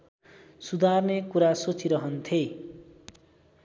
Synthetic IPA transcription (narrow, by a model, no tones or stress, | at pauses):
sud̪ʱarnekuɾasot͡sʰiɾʌɦʌnt̪ʰe